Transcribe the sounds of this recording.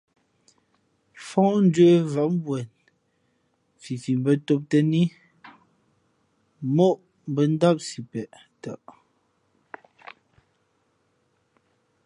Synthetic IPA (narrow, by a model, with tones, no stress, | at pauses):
fɔ̃˦n̩˦də˦va˨ʔm˦bwɛ˨n | fi˨fi˨m˨bə˦to˦p̚tə˦ni˦ | mo˦ʔ | m̩˨bə˨n˦da˦p̚si˨pɛ˨ʔ | ta˨ʔ